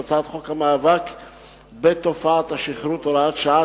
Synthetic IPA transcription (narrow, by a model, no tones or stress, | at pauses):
at͡sat̪χo̞khamaːvak | bet̪ofaat̪haʃiχɾut̪olaat̪ʃaa